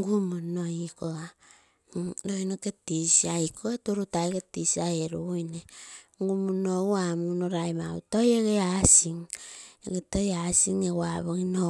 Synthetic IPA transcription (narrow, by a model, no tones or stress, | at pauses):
ŋɡumunoikoa | ɾoinoketisiajkʰoetoɾutajketisajeɾuujneŋɡumunowamunoɾajmautojeɡeasiŋḛɡetojasiŋewaβoŋino